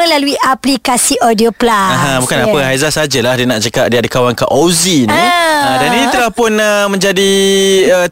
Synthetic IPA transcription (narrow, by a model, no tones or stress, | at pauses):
ə̃laluiʔaplikasiʔodioplaaɦãbukanapəɦajzasad͡ʒəlahdiənaʔt͡ʃəkap̚diadəkawaŋkaʔoziniədaninit̪əlahpʊnəmə̃ɲd͡ʒadiə